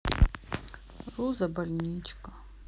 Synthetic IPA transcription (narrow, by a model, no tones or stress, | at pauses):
ruzɐbalʲnʲit͡ʃkʼa